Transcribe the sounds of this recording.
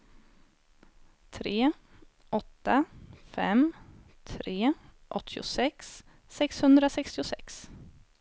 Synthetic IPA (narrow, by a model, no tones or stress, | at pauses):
t̪ʰɾeː | ʔɔt̪ːafɛ̰m | t̪ʰɾeːʔɔt̪ʰːɪʊ̰sɛksː | ɛkshɵnd̪ɾasɛkst̪ɪʊsɛ̰ks